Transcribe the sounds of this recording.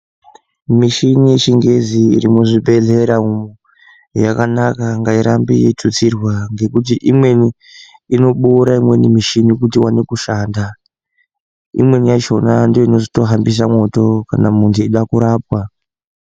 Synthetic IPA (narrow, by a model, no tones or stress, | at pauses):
miʃinije̞t͡ʃiŋɡe̞ziːɾimuʐibʱe̞ɮe̞ɾamuu | jakanakaŋɡaiɾʔambḭjetʰut͡sirwaŋɡe̞kut̬iʔimwe̞niː | no̞ɓuɾaimwe̞nimiʃinikutiwanekuʃaːnda | ḭmwe̞nijat͡ʃo̞nandoino̞ʐito̞ɦambis̬amwo̞to̞kanamuntʰuiɗakuɾaːp̚wa